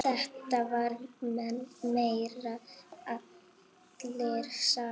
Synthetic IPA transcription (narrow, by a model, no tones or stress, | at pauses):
θɛht̪avaɾmɛnmeːjɾaat̪ | lɛɾ̥sa